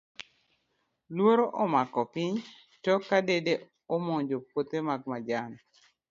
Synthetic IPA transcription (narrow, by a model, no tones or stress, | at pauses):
lwoɾoʔɔmakɔpiɲ | tɔkadede | ɔmɔɲd͡ʒopwot̪emaɡ̚mad͡ʒan